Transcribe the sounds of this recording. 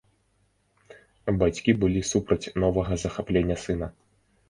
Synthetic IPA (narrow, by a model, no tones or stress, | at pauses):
bat͡sʲkʲibɨlʲisupɾɐt͡sʲnɔvɐɣɐzɐxaplʲenʲːɐsɨnɐ